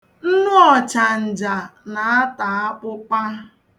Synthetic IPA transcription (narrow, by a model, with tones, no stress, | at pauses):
n̩˦nʊ˦ɔ˨t͡ʃa˨n̩˨d͡ʒa˨na˨a˦ta˨a˦k͡pʊ˦k͡pa˦